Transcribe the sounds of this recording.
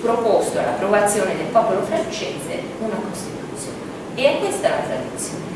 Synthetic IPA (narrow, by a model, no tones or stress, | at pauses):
pɾopost̪oa̰lːapɾovat̪sːjoːned̪elpɔːpolofɾant͡ʃeːzḛ | unakost̪it̪ut̪sjo̰ːne | eakːwest̪ala̰t̪ɾa̰d̪ut̪sjon